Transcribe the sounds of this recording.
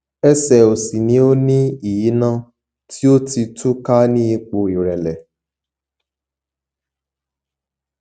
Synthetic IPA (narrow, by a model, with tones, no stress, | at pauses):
ɛ˦sɛ˨o˨sĩ˨nĩ˨˦o˦nĩ˦i˨ji˨˦nã˦ | ti˦o˦ti˧tu˦ka˦nĩ˦i˧k͡po˧i˨ɾɛ˨lɛ˨